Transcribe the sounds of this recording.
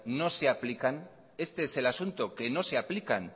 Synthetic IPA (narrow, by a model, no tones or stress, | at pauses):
no̞se̞aplikan | e̞st̪e̞ese̞lasunt̪oke̞no̞se̞aplika̰n